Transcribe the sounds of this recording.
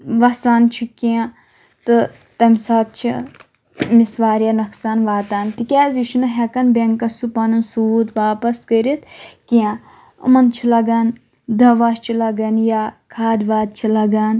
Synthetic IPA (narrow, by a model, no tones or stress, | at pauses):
ʋɐsaːnt͡ʃʰikiã | t̪ɨ | t̪ɐmʲsaːt̪̚t͡ʃʰi | misʋaːɾjanɐksaːnʋaːt̪aːnt̪ikʲaːziʃunɐɦɐkɐnbeŋkɐsupɐnɨnsuːt̪ʋaːpɐskəɾit̪kiã | ɨ̰mɐnt͡ʃʰilɐɡaːn | d̪ɐʋaːst͡ʃʰilɐɡɐnjaːkʰaːd̪ʋaːd̪̚t͡ʃʰilɐɡaːn